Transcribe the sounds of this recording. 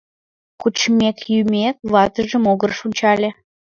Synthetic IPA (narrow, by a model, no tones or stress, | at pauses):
kut͡ɕmekjymʲek̚βɑt̪əʒəmoɣərʃunʲt͡ɕɑlʲe